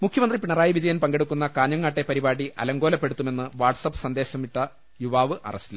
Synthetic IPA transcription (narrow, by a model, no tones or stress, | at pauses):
mukʰjɐmɐnd̪ripiɳɐraːjiʋid͡ʑɐjɐmpɐŋɡe̞ɽukːunːɐkaːɲːɐŋːaːʈːe̞pɐɾibaːɽiʔɐ̰lɐŋɡo̞ːlɐpːe̞ɽut̪ːume̞nːɨʋaːrʈsɐpːɨ̥sɐnd̪eːɕɐmiʈːɐ | juʋaːʋɨʔɐ̰rɐsil